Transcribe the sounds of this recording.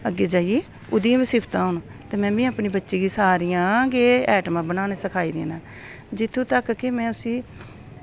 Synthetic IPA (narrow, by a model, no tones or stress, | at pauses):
əɡːeːd͡ʒaːieː | ʊd̪ɪjãːbɪsɪːpʰt̪ãːɦʊnt̪eːmɛ̃ːbĩːəpniːbətːʃiːɡiːsaːɾijãːɡeːɛːʈmãːbənaːneːsəkʰaːiːd̪ḛːnãː | d͡ʒɪt̪ʰːũːt̪əkkːɪmɛ̃ːʊsĩː